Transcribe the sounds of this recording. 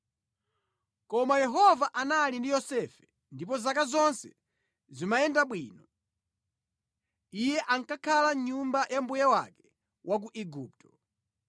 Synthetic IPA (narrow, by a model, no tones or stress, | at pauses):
kɔmajɛɦɔvaʔanalindijɔsɛfɛ | ndip̬ɔzakazɔnsɛ | zimajɛndaɓwiːnɔ | ijɛʔaŋkakʰalaɲumbajambujawakɛ | wʔak̬uʔɛɡuːp̚tʰɔ